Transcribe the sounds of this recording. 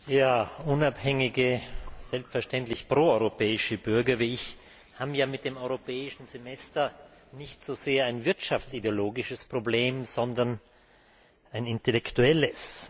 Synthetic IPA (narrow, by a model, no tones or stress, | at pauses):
jaːʊnaphɛŋɪɡəz̥ɛlpstfɛɐʃtɛntlɪçpʁ̥oːɔʏʁopɛːɪʃəbʏɐɡɐviːɪç | haːbjaːmɪt̚d̥eːmɔʏʁopʰɛːɪʃn̩zemɛstɐnɪçtz̥oːzeːɐaɪnvɪɐtʃaftsideoloːɡɪʃəspʁ̥obleːmz̥ɔndɐn | aɪnɪntelɛktuɛləs